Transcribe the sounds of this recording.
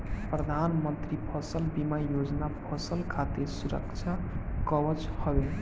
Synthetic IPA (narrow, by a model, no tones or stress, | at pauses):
pɾəd̪ʱanmənt̪ɾipʰʌsəlbimajod͡ʒnapʰəsəlkʰat̪esuɾə̰kt͡ʃʰakəbət͡ʃhɔbe